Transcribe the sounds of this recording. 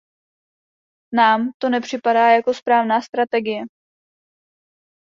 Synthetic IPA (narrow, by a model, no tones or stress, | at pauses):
naːmt̪o̞nɛpr̝̥ɪpadaːjako̞spɾaːvnaːst̪ɾat̪ɛɡɪjɛ